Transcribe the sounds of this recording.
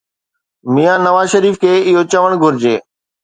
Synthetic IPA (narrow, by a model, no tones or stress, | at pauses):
mijãnɐʋaːzʃɐɾiːfkʰeːɪɦot͡ɕɐʋəɽ̃ɡʱʊɾɪd͡ʑeː